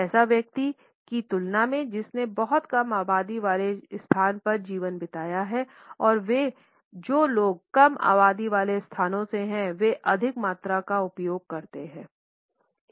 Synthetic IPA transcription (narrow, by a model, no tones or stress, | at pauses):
ɛːsaʋjɐk̚t̪i | kit̪ʊlnamẽd͡ʒɪsnebɔɦʊt̪kɐmaːbaːd̪iʋaːlest̪ʰaːnpɐɾd͡ʒiːʋənbɪt̪aːjaɦɛ | ɔːɾʋe | d͡ʒoːloːɡ̚kɐma̰ːbaːd̪iʋaːlest̪ʰaːnõseɦɛ̃ʋeʔɐd̪ʱɪkmaːt̪ɾakaʊpjoːɡ̚kɐɾt̪eɦɛ̃ː